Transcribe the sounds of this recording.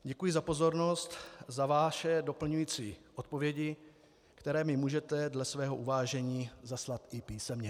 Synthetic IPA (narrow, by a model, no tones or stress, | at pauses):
ɟɛkujɪzapo̞zo̞ɾno̞st̪zavaːʃɛdo̞pl̩ɲujiːt͡siːʔot̪̚po̞vjɛɟɪ | kt̪ɛɾɛːmɪmuːʒɛt̪ɛdlɛsvɛːɦo̞ʔuvaːʒɛɲiːzaslat̪ɪpiːsɛmɲɛ